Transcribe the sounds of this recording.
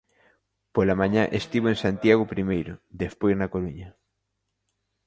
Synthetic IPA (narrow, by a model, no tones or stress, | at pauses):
polamãɲaʔest̪iβ̞oẽnsant̪jaɣ̞ʊpɾimejɾʊd̪espojznɐkoɾuɲɐ